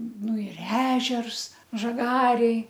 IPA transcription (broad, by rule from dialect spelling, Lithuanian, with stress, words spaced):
ˈnʊ ɪr ˈæːʒʲɛrs ʒɐˈɡɑːrʲeːj